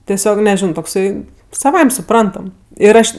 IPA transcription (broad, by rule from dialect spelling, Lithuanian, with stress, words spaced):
tʲɛˈsʲoːk nʲɛˈʒʲɪnoː toːkˈsɐɪ sɐˈʋɐɪmʲ sʊˈprɐntɐm ɪr ˈɐʃ